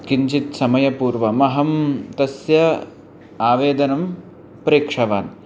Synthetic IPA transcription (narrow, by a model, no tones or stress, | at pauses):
kiɲt͡ʃit̪sɐmɐjɐpuːɾʋɐmɐɦɐmt̪ɐsjɐ | aːʋeːd̪ɐnɐm | pɾeːkʂɐʋaːn